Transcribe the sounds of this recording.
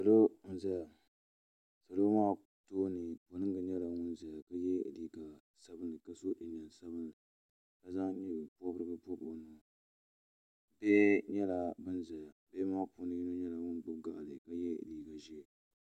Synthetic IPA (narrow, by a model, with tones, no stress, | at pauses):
sa˨lo˦za˦ja˨ | sa˨lo˦maː˦ | toː˦nɨ˨po˨nɨ˦ŋɡɨ˨ɲɛ˦la˨ŋʊ˦nza˨ja˨ka˦jɛ˦˨liː˨ɡa˨ | sa˦bɨ˦nːɨ˨ka˦so˦ʔi˨n˨a˨n˨sa˦bɨ˦nɨ˨ | ka˦za˦ŋ˦ɲi˦bɨ˨pɔ˦bɨ˦ɾɨ˦ɡɨ˦pɔ˦bɨ˨nu˨ | bɛː˦ɲɛ˦la˨bɨ˦nza˨ja˨bɛ˦maː˦pu˨nɨ˦ji˦no˦ɲɛ˦la˨ŋʊ˦nbɨ˦ɡa˨ʔlɨ˨ka˦jɛ̰˦˨liː˨ɡa˨ʒi˦